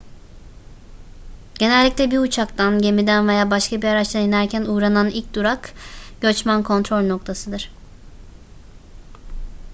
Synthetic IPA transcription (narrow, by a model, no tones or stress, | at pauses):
ɟ̥e̞nɛlʲːicʲlʲɛbiut͡ʃʰakt̪ʰanɟemid̪ænve̞jaːbaʃkabiaɾat͡ʃt̪ʰainæɾcʰænuːɾananilʲc̚d̪uɾakɟ̥ø̞t͡ʃmænkʰo̞nt̪ɾo̞lʲno̞k̚t̪ʰasɯd̪ɯɾ̥